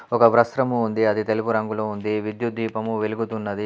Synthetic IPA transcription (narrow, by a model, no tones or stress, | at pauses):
ɔkɐʋɾɐsɾɐmuːnd̪iɐd̪it̪e̞lupuɾɐŋɡuloːund̪iʋid̪jud̪ʱʋiːpɐmuʋeluɡut̪unːɐd̪i